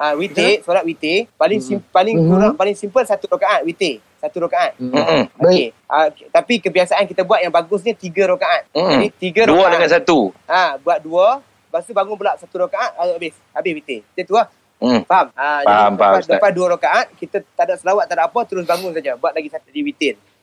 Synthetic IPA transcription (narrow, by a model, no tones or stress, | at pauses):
awit̪esulat̪̚wit̪epalɪŋsimpalɪkuɾaŋpalɪŋsimpəlsat̪uɾokaʔat̪̚wit̪e | sat̪uɾokaʔat̪̚oke | ʔət̪apikəbiasaʔankit̪əbuat̪̚jaŋbaɡʊs̬ɲət̪iɡəɾokaʔat̪̚d͡ʒadit̪iɡəɾouədəŋansat̪uabuat̪̚duə | bast̪ubaŋʊnbəlaʔsat̪uɾokaʔat̪̚aoabɪs | abɪhwit̪et̪ət̪ua | faaməd͡ʒaadpaduəɾokaʔat̪̚kit̪ət̪adaʔsəlawat̪̚ːadaʔapət̪əɾʊs̬baŋʊns̬ad͡ʒəbuat̪̚laɡisat̪diwit̪ɪn